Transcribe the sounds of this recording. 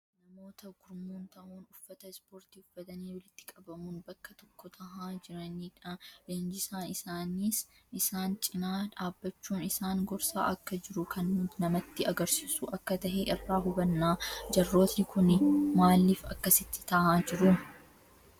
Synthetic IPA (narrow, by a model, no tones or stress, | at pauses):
nɐmo̞ːt̪ʰɐɡ̥ʊɾmuːnt̪ɐʔuːnʊfːɐt̪ɐspo̞ːɾt̪iːʊfːɐt̪ɐniːwɐlɪt̪ːɪ̥kʼɐbɐmuːnbɐkːɐt̪ɔ̥kːɔt̪ʰɐhaːd͡ʒɪɾɐniːᶑalɐnd͡ʒɪsaːnɪsaːniːs | ɪsaːnt͡ʃʼɪnaːᶑaːbːɐt͡ʃːuːnɪsaːŋɡɔɾsa̰ːʔɐkːɐd͡ʒɪɾʊkʰɐnmʊnɐmɐt̪ːɪɐɡɐɾsiːsṵːʔɐkːɐt̪ɐɦɛʔɪrːaːɦʊbɐnːaːd͡ʒɐrːo̞ːt̪nɪkʊnmaːlːiːfɐ̰kːɐsɪt̪ːɪ̥t̪ɐʔaːd͡ʒɪɾʊ